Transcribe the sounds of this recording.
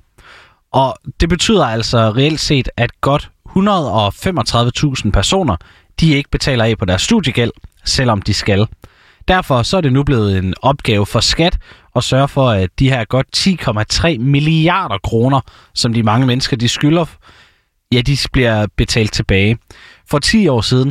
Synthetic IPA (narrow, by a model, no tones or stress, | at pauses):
ʔɒ̽d̥e̝b̥e̝t͡sʰy̰ːð̰ˠɐæl̰sɒ̽ʁɛel̰d̥se̝̰ːd̥æd̥̚ɡ̥ɒ̽d̥hunʁɐð̞ˠɒ̽femɒt͡sʰʁɑ̈ð̞ˠʋət͡sʰṵːsn̩pʰæɐso̝̰ːnɐ | d̥ie̝ɡ̥əb̥e̝t͡sʰɛ̰ːlɐɛ̰pʰɒ̽d̥æɐsːd̥ṵðˠjəɡ̥el̰sel̰ɒ̽md̥isɡ̥æl | d̥æɐfɒ̽sɒ̽æɐd̥e̝nub̥le̝ːð̞̩ˠe̝nɒ̽b̥̚ɡ̥ɛːʊəfɒ̽sɡ̥æd̥ | ɒ̽sɶːɐfɒ̽æd̥iɦæɐɡ̥ɒ̽d̥̚t͡sʰḭːkʰɒ̽mæt͡sʰʁɛ̰ːmiliɑ̰̈ːɾ̥ɐkʰʁo̝ːnɐ | sɒ̽md̥imɑ̈ŋəmenəsɡ̥ɐd̥isɡ̥ylɐ | jæd̥ib̥liɐ̰b̥e̝t͡sʰɛ̰ːld̥̚t͡sʰe̝b̥ɛːɪfɒ̽t͡sʰḭːɒ̰ːsiːð̞ˠn̩